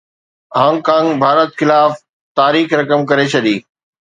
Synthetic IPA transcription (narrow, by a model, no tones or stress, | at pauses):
ɦãːŋkãːŋbʱaːɾət̪xɪlaːf | t̪aːɾiːxɾɐkəmkɐɾet͡ɕʰɐɗiː